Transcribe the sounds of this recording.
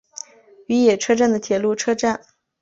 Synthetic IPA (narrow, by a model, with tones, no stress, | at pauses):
y˧˥jɛ˨˩ʈ͡ʂʰɤ˥ʈ͡ʂa˥˩nd̪ə˩t̪ʰjɛ˨˩lu˥˩ʈ͡ʂʰɤ˥ʈ͡ʂa˥˩n